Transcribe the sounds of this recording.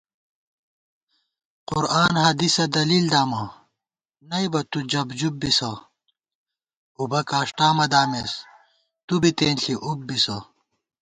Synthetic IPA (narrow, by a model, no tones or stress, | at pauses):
qʊɾaːnɦɐd̪isɐd̪ɐliːld̪aːmɐ | nɐjbɐt̪ud͡ʑɐbd͡ʑub̚ːisɐ | ubɐkaːʂʈaːmɐd̪aːmes | t̪ubit̪eːnɬiʔub̚bisɐ